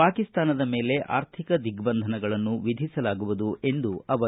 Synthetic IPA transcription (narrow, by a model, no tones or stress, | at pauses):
aːkist̪aːnɐd̪ɐme̞ːle̞ʔa̰ːɾt̪ʰikɐd̪iɡbɐnd̪ʱɐnɐɡɐɭɐnːuʋid̪ʱisɐlaːɡuʋud̪uʔe̞nd̪uɐʋɐ